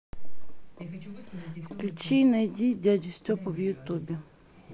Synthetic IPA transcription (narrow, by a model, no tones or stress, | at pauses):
klʲut͡ʃijnɐjdʲidʲadʲʊsʲtʲɔpɔwjʊt̪ubʲi